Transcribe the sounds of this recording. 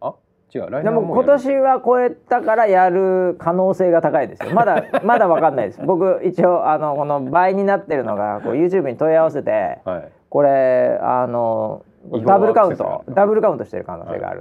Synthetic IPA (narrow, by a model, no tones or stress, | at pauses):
d̪emoko̞t̪o̞ɕiβako̞e̞t̪akaɾajaɾɯ̟kʰano̞ːse̞ːɡat̪akaid̪e̞sɨɨo̰mad̪amad̪aβakãnːaid̪esɨbo̞k̬ɯ̟it͡ɕio̞ʔano̞ko̞no̞baːiɲ̟inat̪ːe̞ɾɯ̟no̞ɡa̰ko̞̰ːjɯ̟ːt͡ɕɨːbɯ̟ɲ̟it̪o̞iaβase̞t̪e̞̰ | ko̞ɾe̞a̰no | d̪abɯ̟ɾɯkaɯ̃nt̪o̞̰d̪abɯ̟ɾɯ̟kãɯ̟̃nt̪oɕi̥t̪e̞ɾɯ̟ka̰no̞ːsḛːɡa̰ɾɯ̟̰